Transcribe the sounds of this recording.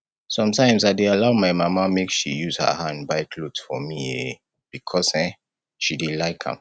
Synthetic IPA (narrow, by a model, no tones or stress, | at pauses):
sɔ̃mtʰãɪ̃msaɪdealaʊmaɪmamamekʃḭjuz̥hə̰hãnbaɪkʰlotfɔ̰mie | b̥ikʰɔsɛ̃ | ʃidilaɪkʰã̰m